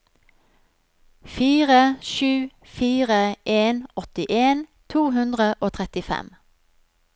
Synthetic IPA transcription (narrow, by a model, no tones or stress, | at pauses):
fiːʁəʃʉː | fiːʁəʔeːnɔt̪ɪʔeːnt̪ʰuːɦʉnd̪ʁəʔoːt̪ʰʁɛt̪ɪfɛ̰m